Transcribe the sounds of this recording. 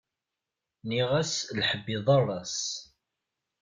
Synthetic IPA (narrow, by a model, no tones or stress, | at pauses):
niʁæslħəbːiðˤɑrˤːɑs